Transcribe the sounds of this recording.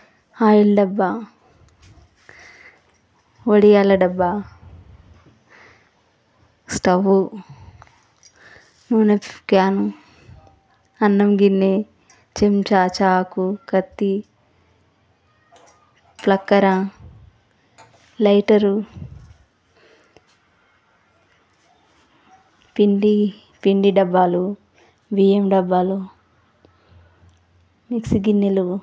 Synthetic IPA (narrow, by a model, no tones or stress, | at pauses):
aːjilɖɐbːa | ʋoɽijaːlɐɖɐbːa | sʈɐʋu | nuːnepkaːnu | ɐnːɐmɡinːe | t͡ʃemt͡ʃaːt͡ʃaːkukɐt̪ːi | plɐkːɐɾɐ̃ | lɐjʈɐɾu | piɳɖi | piɳɖiɖɐbːaːlu | ʋiːemɖɐbːaːlu | miksiɡinːilu